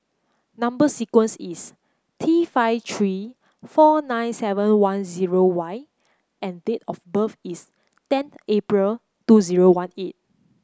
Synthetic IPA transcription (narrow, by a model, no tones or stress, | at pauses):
nãmbəsikwə̃nsis | tʰifaɪft̪ʰɹi | fɔnãɪ̃nsɛvə̃nwãnziɹowaj | ɛ̃ndetɔfbəfis | tɛ̃nθepɹəl | tuziɹowãnet̚